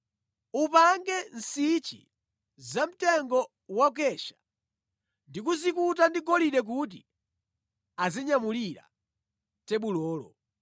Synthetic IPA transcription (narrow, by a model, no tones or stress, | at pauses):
upaŋɡɛn̩sit͡ʃḭ | zam̩tɛŋɡɔ | wak̬ɛʃḁ | ndik̬uzikutandiɡɔliɗɛk̬ut̬ḭ | aziɲamuliɾa̰ | tɛɓulɔːlɔ̰